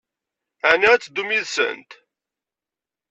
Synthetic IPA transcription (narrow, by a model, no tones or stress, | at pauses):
ænæt͡sːd̪umiðsə̰nt̪